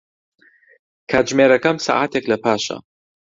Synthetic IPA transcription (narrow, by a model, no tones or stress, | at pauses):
kʰaːt̪ʒmeɾɐkɐmsa̰ːʔaːt̪ʰeklɐpʰaːʃɐ̰